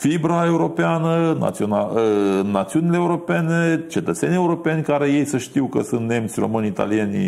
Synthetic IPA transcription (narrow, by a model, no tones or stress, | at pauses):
fibɾae̞uɾo̞peanəna̰t̪sionaənat̪siunileeːuɾo̞pe̞ne̞t͡ʃe̞t̪ət̪se̞nije̞uɾo̞pe̞nʲkaɾe̞je̞jsəʃt̪iwkəsunt̪ne̞mt̪sʲro̞̰mɨnʲit̪a̰lienʲ